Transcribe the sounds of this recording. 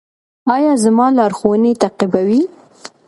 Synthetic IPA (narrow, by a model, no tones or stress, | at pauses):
ɑjɑzamɑlɑɾxowənet̪aqibawi